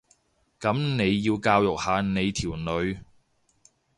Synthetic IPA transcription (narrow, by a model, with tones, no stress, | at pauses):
kɐ˨˥mne˨˧jːiː˧wkaː˧wjʊ˨k̚haː˨˧ne˨˧jt̪ʰiː˨˩wnɵ˨˧ɥ